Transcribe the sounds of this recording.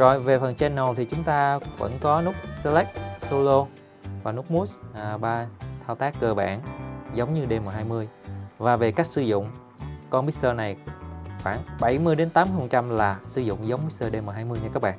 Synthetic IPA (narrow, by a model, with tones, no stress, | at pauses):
zo̰˧˨jve˨˩fə˨˩nt͡ɕɛ˧nːo˨˩t̪ʰi˨˩t͡ɕʊ˨˦ŋ͡mt̪aː˧və̰˧˥nkɔ˨˦nʊ˦˥k͡p̚sə˧lɛ˦˥k̚so˧lo˧ | vaː˨˩nu˦˥k͡p̚mu˦˥sɓaː˧t̪ʰaː˧wt̪aː˦˥kːəː˧˩ɓa̰ː˧˩˨nzə˨˦wŋ͡mɲɨ˧ɗe˧məː˨˩ɦaː˧jmɨ˧əjvaː˨˩ve˨˩ka˦˥k̚sɨ˧˦zʊ̰˧˨ŋ͡m | kɔ˧nɓi˦˥t̪əː˧na˨˩jxwaː˧˩nɓə˧˩jmɨ˧əjɗe˨˦nt̪aː˨˦mɨ˦fə˨˩t͡ɕa˧mlaː˨˩sɨ˧˦zʊ̰˧˨ŋ͡mzə˨˦wŋ͡mɓi˦˥t̪əː˧ɗe˧məː˨˩ɦaː˧jmɨ˧jɲɨ˧kaː˦˥k̚ɓa̰ː˧˨